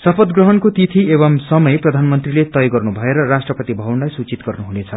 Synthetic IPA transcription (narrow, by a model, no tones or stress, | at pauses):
sʌpʰʌd̪ɡrʌɦʌnkot̪it̪ʰieβʌmsʌmʌjprʌd̪ʱanmʌnt̪rilet̪ʌjɡʌrnubʱʌeɾʌrasʈrʌpʌt̪ibʱʌwunlajsut͡sit̪ɡʌrnuɦunet͡sʰʌ